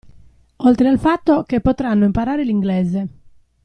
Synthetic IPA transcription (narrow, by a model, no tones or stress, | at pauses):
olt̪ɾealfat̪ːokepːot̪ɾanːoimpaɾaːɾeliŋɡleːze